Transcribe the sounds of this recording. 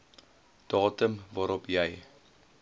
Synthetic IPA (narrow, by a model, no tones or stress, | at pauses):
d̥ɑːtəmvɑːɾɔpjɛj